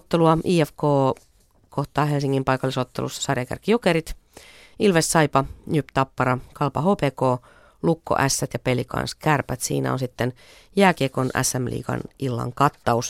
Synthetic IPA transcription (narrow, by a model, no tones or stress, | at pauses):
t̪ːeluɑʔiːæfkoː | kʰoht̪ɑːɦelsiŋːimpɑjkɑlːisot̪ːelṵsːɑ̥sɑrjɑkæ̰rkːijokeɾit̪ | ilʋessɑjpɑnypt̪ɑpːɑɾɑkɑlpɑɦoːpeːkoː | lukːo̰ʔæsːæt̪jɑpelikɑ̰nskærpæt̪sḭːnæ̰onsit̪ːen | jæːkiekonæ̰sːæmlḭːkɑ̰nilːɑ̰ŋkɑt̪ːɑus